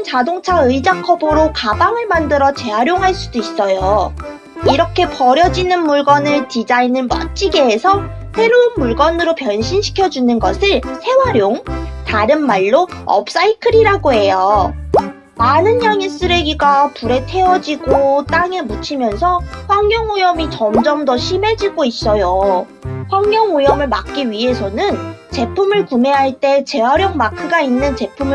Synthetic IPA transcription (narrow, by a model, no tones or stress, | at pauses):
nt͡ɕadoŋt͡ɕʰaɯid͡ʑakʰʌbɯɾokabaŋɯɭmandɯɾʌt͡ɕe̞ɦaɾjoŋɦaɭs͈udois͈ʌjo | iɾʌkʰe̞pʌɾjʌd͡ʑinɯnmuɭɡʌnɯɭtid͡ʑainɯnmʌ̰t͡ɕ͈iɡe̞ːsʰʌ | ɸe̞ɾounmuɭɡʌnɯɾopjʌnɕʰinɕʰi̥kʰjʌd͡ʑunɯnɡʌ̰sʰɯɭsʰe̞waɾjoŋtaɾɯnmaɭːoʌ̰p̚s͈aikʰɯɾiɾaɡoɦe̞jo | manɯnjaŋis͈ɯɾe̞ɡiɡapuɾe̞tʰe̞ʌd͡ʑiɡot͈aŋemut͡ɕʰimjʌnsʰʌɸwaŋɲjʌŋojʌmit͡ɕʌmd͡ʑʌmdʌɕʰime̞d͡ʑiɡois͈ʌjo | ɸwaŋːʌŋojʌmɯɭmak̚k͈iɥiɦe̞sʰʌnɯnt͡ɕe̞pʰumɯɭkume̞ɦaɭt͈e̞t͡ɕe̞waɾjʌŋmakʰɯɡainːɯnt͡ɕe̞pʰumɯ